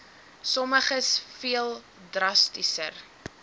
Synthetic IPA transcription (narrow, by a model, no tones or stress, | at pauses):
sɔməχəsfiəlˠ | drɐstisər